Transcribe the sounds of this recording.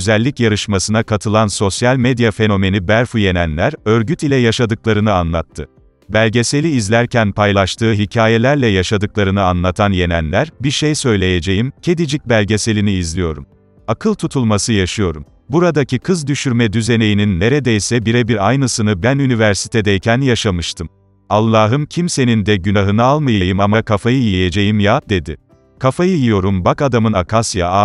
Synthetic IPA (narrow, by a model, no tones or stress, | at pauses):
zælʲːicjaɾɯʃmasɯnakʰat̪ʰɯlˠanso̞sjalʲmed̪jafe̞no̞me̞nibæɾfuje̞nænlʲæɾø̞ɾɟyt̪ilʲɛjaʃad̪ɯklˠaɾɯnɯanlˠat̪ʰːɯ | bælʲɟe̞se̞lʲiːzlʲæɾcʰænpʰajlˠaʃt̪ʰɯːɦicʰaːje̞lʲæɾlʲɛjaʃad̪ɯklˠaɾɯnɯanlˠat̪ʰanje̞næ̰nlʲæɾbiɾʃejsø̞jlʲe̞jed͡ʒe̞jimcʰe̞d̪id͡ʒic̚bælʲɟe̞se̞lʲiniːzlʲijo̞ɾum | akʰɯlˠt̪ʰut̪ʰulˠmasɯjaʃɯjo̞ɾum | buɾad̪acʰikʰɯzd̪yʃyɾmɛd̪yze̞ne̞jininːe̞ɾed̪ɛjsɛbiɾɛbiɾajnɯsɯnɯbænynivæɾsi̥t̪ʰe̞d̪ɛjcʰænjaʃamɯʃt̪ʰɯm | alˠːaːɦɯmcʰimse̞nind̪ɛɟynaɦɯnɯalˠmajajɯmamakʰafajɯjije̞d͡ʒe̞jimjad̪e̞d̪ɪ̰ | kʰafajɯjijo̞ɾumbakad̪amɯnakʰasjaa